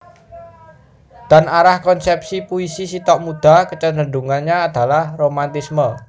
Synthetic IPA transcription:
d̪̥a̤naɾahkɔnsɛp̚sipuisisit̪ɔʔmud̪̥a̤kət͡ʃəndənduŋanɲaːd̪̥a̤lahromant̪ismə

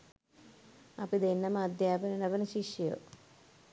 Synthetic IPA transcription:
ɐpid̪enːɐmad̪jaːbɐnɐnɐbɐnɐʃiʃjo̰

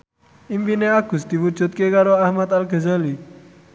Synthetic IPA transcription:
impineaɡ̥ʊ̤sd̪̥i̤wud̥ʒ̥ṳt̪̚kekaɾoahmat̪alɡ̥ə̤zali

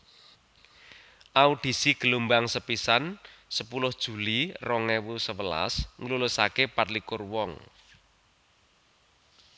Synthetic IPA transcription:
ʔaud̪̥i̤siɡ̥ə̤lumbaŋsəpisansəpulʊhd̥ʒ̥ṳlirɔŋɛwusəwəla̰sŋəlulʊsakepat̪likʊrwɔŋ

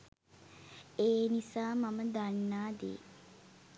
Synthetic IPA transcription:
eːnisaːmaməd̪anːaːd̪ḛː

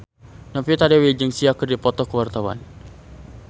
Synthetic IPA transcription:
nɔpiut̪adewed͡ʒəŋsiakərdipɔt̪ɔkəwart̪awa̰n

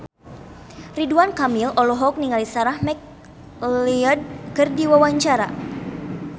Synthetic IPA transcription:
riduankamilɔlɔɦɔk̚niŋalisaɾahmɛk | iɔd̚kərdiwawaɲt͡ʃaɾa

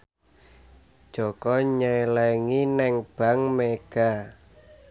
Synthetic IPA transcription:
d̥ʒ̥ɔkɔɲɛlɛŋinɛŋb̥a̤ŋmeɡ̥a

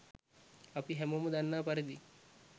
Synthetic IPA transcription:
ɐpiɦɛmomɐd̪anːaːpɐɾid̪i

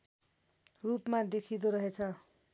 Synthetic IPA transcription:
rupmad̪ekʰid̪oɾʌɦet͡sʰʌ

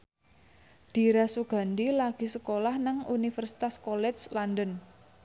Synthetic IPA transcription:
d̪̥i̤ɾasuɡ̥a̤nd̪ilaɡ̥i̤səkolahnaŋunifərsi̥t̪askɔlɛt͡ʃlandən

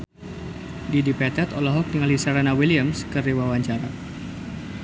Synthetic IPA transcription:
didipɛt̪ɛt̪ɔlaɦɔk̚dəŋalisaɾanawiliamskəriwawaɲt͡ʃaɾa

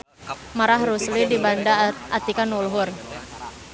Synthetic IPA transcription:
maɾaɦɾuslidibandaʔat̪ikanulɦʊr

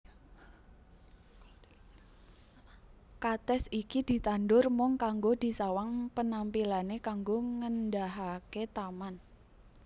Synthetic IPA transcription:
kat̪ɛsikid̪̥i̤t̪anɖʊrmʊŋkaŋɡod̪̥i̤sawaŋpənampilanekaŋɡoŋəndaɦaket̪aman

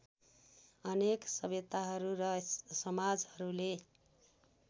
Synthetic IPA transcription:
ʌneksʌbet̪aɦʌɾuɾʌsʌmad͡zhʌɾule

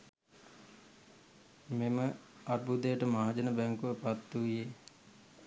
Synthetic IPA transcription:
memə | aɾ̚bud̪ejəʈəmaad͡ʒənəbæŋkuʋəpat̪ːuʋije

